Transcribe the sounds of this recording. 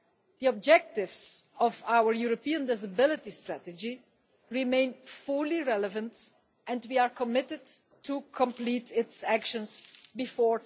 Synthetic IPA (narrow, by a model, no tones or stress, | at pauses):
d̪̥iɔb̚d͡ʒɛk̚tɪvsɔvawəɹjuɹopiə̃ndɪsabɪlɪtistɹætəd͡ʒi | ɹimẽɪ̃nfʊliɹɛləvə̃nt | ɛ̃ntwiaɹkɔmɪtɪd | tːukʰɔ̃mplitɪtsækʃə̃nsbifɔːɹ